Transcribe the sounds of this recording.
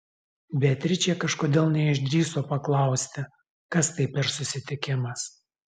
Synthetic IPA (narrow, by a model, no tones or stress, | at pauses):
bʲɛt̪ʲɾʲɪt͡ʃʲɛkɐʃkoːd̪ʲeːlˠnʲɛɪʒʲd̪ʲɾʲiːsoːpɐklˠɐˑʊsʲt̪ʲɪ | kɐst̪ɐɪpʲɛɾsʊsʲɪt̪ʲɪkʲɪmɐs